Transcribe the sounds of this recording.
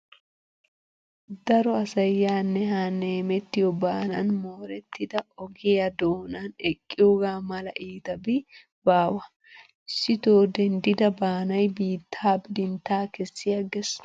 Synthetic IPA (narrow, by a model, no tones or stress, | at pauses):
d̪ɐɾɔɐsɐjːaːnːɛhaːnːeːmɛt̪ːɪjɔbaːnɐ̰nmoːɾɛt̪ːɪd̪ɐɔɡɪjɐd̪oːnɐnɛkʼːɪjɔɡaːmɐlɐʔiːt̪ɐbɪ | baːwɐ | ɪsːɪt̪oːd̪ɛnd̪ɪd̪ɐbaːnɐjbiːt̪ʰːaːbɪd̪ɪnt̪ːaːkɛsːɪjɐɡɛs